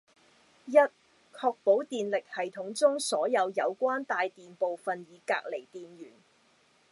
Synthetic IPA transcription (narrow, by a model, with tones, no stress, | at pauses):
jɐ˥t̚ | kʰɔː˧k̚po˨˥wt̪iː˨nlɪ˨k̚hɐ˨˩jt̪ʰʊ˨˥ŋt͡sʊ˥ŋsɔː˨˥jɐ˨˧wjɐ˨˧wkʷaː˥nt̪aː˨˧jt̪iː˨npo˨wfɐ˨njiː˨˧ka̰ː˧k̚le˨˩jt̪iː˨nɥyː˨˩n